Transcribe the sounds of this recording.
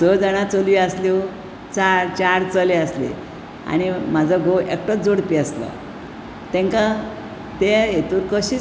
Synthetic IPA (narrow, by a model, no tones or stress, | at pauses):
əd͡zaɽ̃at͡solʋiaslio | t͡saɾt͡ɕaɾt͡səleəslḛ | a̰ñimad͡zʱaɡoekʈɔt͡sd͡zoɽpiːasla̰ | t̪ɛ̃ŋka | t̪ejet̪uːɾkəɕiː